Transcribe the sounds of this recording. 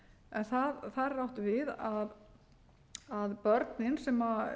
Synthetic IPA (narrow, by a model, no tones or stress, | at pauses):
ɛnθaðθaðrawht̪ʏvɪðað | aðpœɾt̪nɪnsɛma